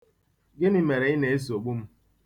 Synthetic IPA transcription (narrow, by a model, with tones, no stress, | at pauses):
ɡɪ˦ni˦me˨ɾe˨˦ɪ˦ne˨e˦z̬o˨ɡ͡bu˦m̩˦